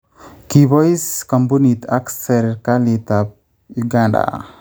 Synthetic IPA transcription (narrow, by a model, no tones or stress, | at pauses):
kibɔjskɔmpunit̪aksɛɾkalit̪ap̚ | ɡaɖa̰